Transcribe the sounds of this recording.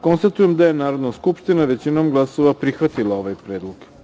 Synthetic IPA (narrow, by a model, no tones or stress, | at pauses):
ko̞nst̪at̪ujemd̪ajenaːɾo̞d̪naskupʃt̪inaʋe̞t͡ɕinoːmɡlˠaso̞ʋapɾixʋat̪ilˠao̞ʋajpɾe̞ːd̪lˠoɡ̥